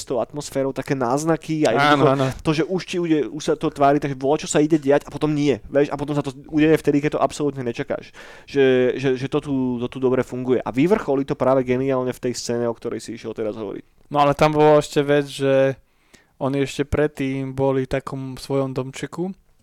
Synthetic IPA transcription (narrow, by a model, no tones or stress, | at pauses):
st̪ɔʊat̪mɔsfɛːɾɔʊt̪akɛːnaːznakiajɛanɔnt̪ɔʒɛʔuʃciuɟɛuʃsat̪ɔt̪ʋaːɾit̪aɡʒɛbɔlɛt͡ʃɔsaiɟɛɟɛacapɔt̪ɔmɲɪɛʋɛʃapɔt̪ɔmsat̪ɔuɟɛjɛft̪ɛd̪ik̬ɛc̚t̪ɔʔapsɔlut̪ɲɛɲɛt͡ʃaka̰ːʃ | ʒ̥ɛʒɛʒɛt̪ɔt̪ut̪ɔt̪ud̪ɔbɾɛfuŋɡujɛʔa̰ʋiʋr̩xɔlit̪ɔpɾaːʋɛɡɛnialɲɛft̪ɛjst͡sɛːɲɛɔk̚t̪ɔɾɛ̰jsiiʃjɛlˠt̪ɛɾazɦɔ̰ʋɔ̰ɾḭc̚ | nɔalɛt̪ambɔlaɛʃcɛʋɛd͡zʒɛ | ɔniɛʃcɛpɾɛt̪ːiːmbɔlit̪akɔmfsʋɔjɔmd̪ɔmt͡ʃɛku